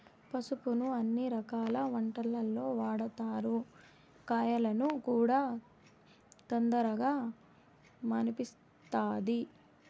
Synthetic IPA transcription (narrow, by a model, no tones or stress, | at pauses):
pɐsupunuɐnːiɾɐkaːlɐʋɐɳʈɐlːɐlːo̞ːʋaːɽɐt̪aːɾu | kaːjɐlɐnukuːɽaː | t̪ond̪ɐɾɐɡaː | mɐnipis | t̪aːd̪i